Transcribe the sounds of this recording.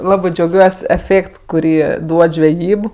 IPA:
ˈlˠɑːbɜ d͡ʒʲɛʊˈɡʲuɔsʲ ɛˈfʲeːkt kʊˈrʲiː ˈduɔt ʒʲʋʲɛˈjiːp

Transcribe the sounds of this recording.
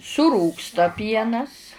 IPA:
sʊˈruːkstɐ ˈpʲiɛnɐs

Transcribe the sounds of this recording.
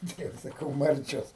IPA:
ˈtɐɪ jɛʊ sɐˈkɐʊ ˈmɐrʲt͡ʃʲoːs

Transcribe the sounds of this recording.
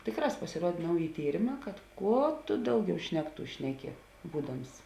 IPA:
ˈtʲeːˌkrɑːs pɐsʲɪˈruɔtʲ ˈnɐʊˌjɪ ˈtʲiːrʲeːˌmɑː kɐt ˈkuɔ tʊ ˈdɐʊˌɡʲɛʊ ˈʃʲnʲæːkˌtuː ˈʃʲnʲæːˌkʲɪ ˈbuːdɐms

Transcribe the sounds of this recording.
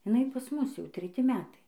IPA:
ɪˈnɐɪ pɐs ˈmʊs jɛʊ tʲrʲɛˈtʲɪ ˈmʲæːtɐɪ

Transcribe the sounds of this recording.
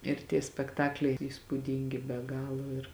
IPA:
ɪr tʲiɛ sʲpʲɛkˈtɑːklʲɛɪ ɪr iːspuːˈdʲiːŋʲɡʲɪ bʲɛ ˈɡɑːlˠoː ɪr

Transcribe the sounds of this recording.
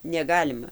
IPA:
nʲɛˈɡɑːlʲɪmɐ

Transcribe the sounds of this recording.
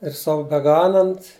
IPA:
ɪr ˈsɐʊ bʲɛˈɡɑːnɐnt

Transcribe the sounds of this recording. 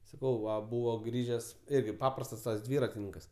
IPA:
sɐˈkɐʊ ˈʋɐ ˈbuːʋoː ˈɡrʲiːʒʲɛs ˈɪrʲɡʲɪ ˈpɑːprɐstɐs tɐs ˈdʲʋʲiːrɐtʲɪnʲɪŋkɐs

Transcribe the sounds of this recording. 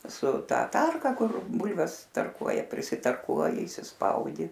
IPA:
sʊ ˈtɐ ˈtɐrkɐ ˈkʊr ˈbʊlʲʋʲɛs tɐrˈkuɔjɛ pʲrʲɪsʲɪtɐrˈkuɔjɪ iːsʲɪsˈpɐʊdʲɪ

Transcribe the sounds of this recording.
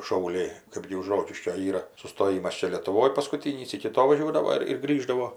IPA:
ʃɐʊˈlʲɛɪ ˈkɜbʲɡʲɪ ʊʃ ˈroːkʲɪʃʲkʲoː ˈiːrɐ sʊstoːˈjɪmɐs ˈt͡ʃʲɛ lʲiɛtʊˈʋoːj pɐskʊˈtʲiːnʲiːs ɪkʲɪ ˈtoː ʋɐˈʒʲuɔdɐʋoː ɪr ɪr ˈɡrʲiːʒdɐʋoː

